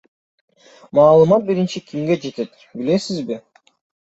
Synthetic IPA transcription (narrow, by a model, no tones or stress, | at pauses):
mɑːlˠɯmɑt̪̚biɾint͡ʃikʰʲimɡe̞d͡ʒe̞t̪e̞t̪ | bile̞sizbi